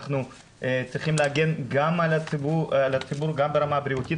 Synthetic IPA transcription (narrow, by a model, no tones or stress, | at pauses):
χnu | t͡sʁiχimleaɡe̞nɡamalaibualat͡sibuɾɡambeʁamabɾiut̪it